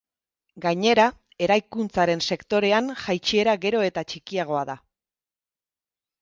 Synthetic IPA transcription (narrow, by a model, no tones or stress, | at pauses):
ɡaɲe̞ɾa | e̞ɾajkunt͡saɾe̞nse̞kt̪o̞ɾe̞anʝajt͡ʃie̞ɾaɣe̞ɾo̞e̞t̪at͡ʃikiaɣ̞o̞aða